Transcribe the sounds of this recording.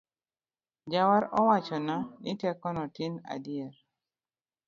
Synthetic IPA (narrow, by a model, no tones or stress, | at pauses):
d͡ʒawaɾɔwat͡ʃɔnanitɛkɔnɔtina̰dijɛɾ